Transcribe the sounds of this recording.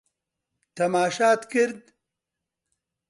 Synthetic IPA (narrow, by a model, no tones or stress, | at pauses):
t̪ɐmaːʃaːt̪kɪɾd̪